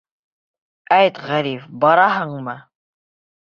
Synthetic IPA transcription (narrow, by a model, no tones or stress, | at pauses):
æjt̪ʁæɾifbɑɾɑɦɤɴmɤ